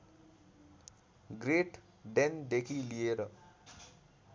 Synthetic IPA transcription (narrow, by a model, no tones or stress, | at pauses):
ɡɾeʈ | ɖend̪ekʰilieɾʌ